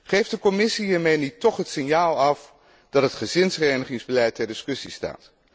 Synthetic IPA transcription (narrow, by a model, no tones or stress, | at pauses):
χejfdəkɔmɪsiɦiːɹmejnitɔχɦətsɪnjaːlˠɑf | d̥ɑtətχəzɪnsrɛjnəχɪŋzbəlɛjtɛɹdɪskɵsista̰ːt